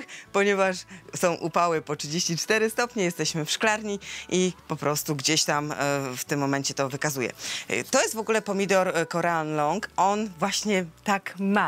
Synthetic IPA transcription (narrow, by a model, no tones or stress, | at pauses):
pɔɲɛvaʂsɔ̃w̃ʔupawɘpɔtʂɘd͡ʑeɕt͡ɕit͡ʂt̪ɛɾɘst̪ɔpɲɛjɛst̪ɛɕmɘfʂklaɾɲiʔipɔpɾɔst̪uɡd͡ʑeɕt̪amft̪ɘmːɔmɛnt͡ɕɛt̪ɔvɘkazujɛ̰t̪ɔjɛst̪vɔɡulɛkɔmʲid̪ɔɾkɔɾanlɔŋkʔɔnvwaɕɲɛt̪akma